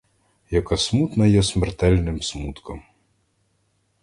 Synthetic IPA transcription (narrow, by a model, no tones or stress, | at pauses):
jɐkɐsmut̪nɐjɛsʲmɛrt̪ɛlʲnɪmsmut̪kɔm